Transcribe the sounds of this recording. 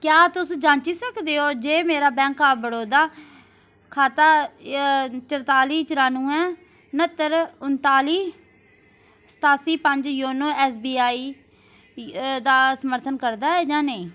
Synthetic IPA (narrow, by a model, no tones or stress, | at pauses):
kjaːt̪ʊsd͡ʒãːɲt͡ʃiːsəkd̪eːoːd͡ʒeːmeːɾaːbɛ̃ːŋkaːbəɽoːd̪aː | kʰaːt̪aː | t͡ʃəɾt̪aːliːt͡ʃəɾaːnũːɛ̃ː | nət̪ːəɾʊnt̪aːliː | sə̥t̪aːsiːpəɲd͡ʒjoːnõːɛːs̬biːaːiː | d̪aːsəməɾt̪ʰənkəɾd̪aːɛːd͡ʒãːneĩː